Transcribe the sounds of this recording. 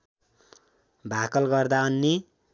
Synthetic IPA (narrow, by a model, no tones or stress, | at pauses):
bʱakʌlɡʌrd̪aʌnːi